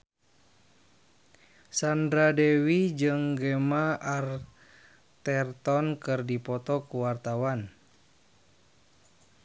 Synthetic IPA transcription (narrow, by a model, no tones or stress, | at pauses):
sandɾadɛwid͡ʒɨŋɡɛmaar | t̪ɛrt̪ɔnkɨrdipɔt̪ɔkuwart̪awan